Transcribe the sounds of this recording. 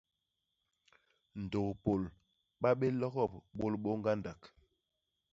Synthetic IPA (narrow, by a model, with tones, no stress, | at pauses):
n̩˨do˨kpo˨l | ɓa˦ɓe˦lɔ˦ɣɔ˦˨p̚ɓo˦lɓo˦ŋɡa˦nda˨k